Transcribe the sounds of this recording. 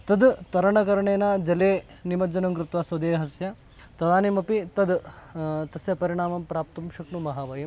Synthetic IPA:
t̪ɐd̪t̪ɐɾɐɳɐkɐɾɐɳeːnɐd͡ʒɐleːnimɐd͡ʒɐnɐŋkɾɪt̪ʋasʋɐd̪eːɦɐsjɐ | t̪ɐd̪aːnimɐpit̪ɐd̪ | t̪ɐsjɐpɐɾiɳaːmɐmpɾaːp̚t̪ɐmʃɐknumɐɦaːʋɐjɐm

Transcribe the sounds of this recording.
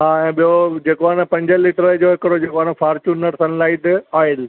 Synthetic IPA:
ɦaːɛ̃ːɓijod͡ʑeːkoanpɐ̃ɲd͡ʑəliːʈəɾəd͡ʑoɦɪkɾod͡ʑeːkaːnofʰaːɾt͡ɕuːnːəɽsɐ̃nlaːɪʈɔːjɪl

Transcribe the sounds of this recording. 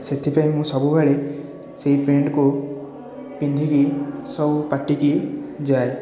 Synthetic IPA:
set̪ʰipajmũsɔbubʱaɭe | seipɾeɳɖku | pind̪ʱikisɔbpaʈikid͡ʒae

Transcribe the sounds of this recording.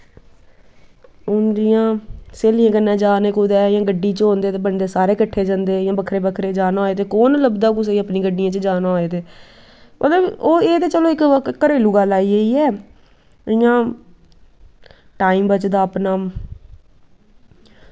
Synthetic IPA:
ʊnd̪ɪjãːseːlɪjãːkənːãːd͡ʒaːneːkʊd̪ɛːɪjãːɡəɖːiːt͡ʃõːnd̪eːt̪eːbənd̪eːsaːɾeːkəʈʰːeːd͡ʒãːnd̪eːɪjãːbəkʰɾeːbəkʰɾeːd͡ʒaːnaːoːeːt̪̬eːkoːnləbd̪aːkũs̬iəpnĩːɡəɖːijãːt͡ʃəd͡ʒaːnaːoːeːt̪eː | mʔət̪ləboːeːt̪eːt͡ʃəlõːɪkkəɾeːluːɡəlːaːiːəiːɛː | ɪjãː | ʈaːiːmbət͡ʃd̪aːəpnaː

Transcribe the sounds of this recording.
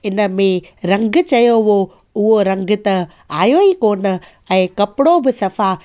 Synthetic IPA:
ɪnə̆mẽ | ɾɐ̃ŋɡ̆t͡ɕɐjoʋo | ʊɦoɾɐ̃ŋɡ̆t̪ɐ | aːjoiːkoːnə̆ | ɛ̃ːkɐpɪɽobɪsɐfa

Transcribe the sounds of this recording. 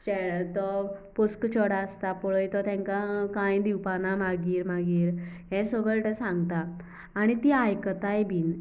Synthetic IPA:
t͡ɕet̪ɔpuskt͡ɕɔɽaəst̪apɔɭəjt̪ɔt̪ɛ̃ŋkakãjd̪iwpanamaɡiːɾmaɡiːɾɦɛ̃səɡəɭʈəsãŋɡt̪aː | ɽ̃it̪iːajkət̪ajbʱiːn

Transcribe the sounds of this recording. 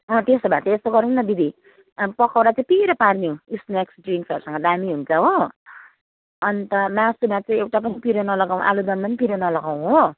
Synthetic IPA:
ʌ̃t̪esobʱat͡seest̪oɡʌɾũnʌb̪id̪ʱi | pʌkawɽat͡saĩpiɾʌparniũusneksɖriŋksʌɾusʌŋɡʌd̪amiɦunt͡sʰʌɦo | ʌnt̪ʌmasumat͡saj̃ewʈap̬ʌnipiɾonʌlʌɡaw̃ʔa̰lud̪ʌnmʌnipiɾonʌlʌɡaw̃ɦo

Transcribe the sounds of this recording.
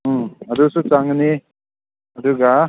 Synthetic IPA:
ɐd̪usut͡ʃaŋne | ɐd̪uɡa

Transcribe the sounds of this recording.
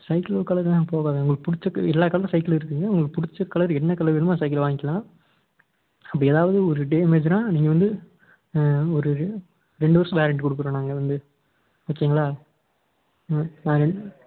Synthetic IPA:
sɐɪkɪlɔɾkːɐɭɐɾnãːpoːɣaːðẽʊŋɡɐɭɯpʊɽɪt͡ʃːɐkɛlːaːkɐlɐɾsɐɪkɪlɪɾɯkːiːŋɡɐʊŋɡɐɭk̚pʊɽɪt͡ʃːɐɾkɐɭɐɾɛnːɐkɐlɐʋɪlɯmaːsɐɪkɪlʋaːŋɡɪkːɐlãː | ɐpːɐeːðaːʋɐðɯɔɾɯɖeːmeːd͡ʒnãːniːŋɡɐʋɐnd̪ɯ | ɔɾɯ | ɾɛɳɖɯʋɐɾsbaːɾɐɳʈkɔɽɯkːɯɾõːnaːŋɡɐʋɐnd̪ɯ | oːkːeiːŋɡɐɭaː | nãːɾɛɳɖ

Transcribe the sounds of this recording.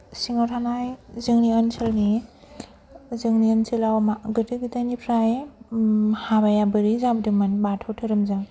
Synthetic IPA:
siŋɔɾʰanajzɯŋniɔnsʰɯlni | zɯŋniənsʰɯlawmaɡɯtɯɡitajnipʰɾaj | haβajabɯɾizabɯdɯmanbatʰɔwtʰɯɾɯmzaŋ

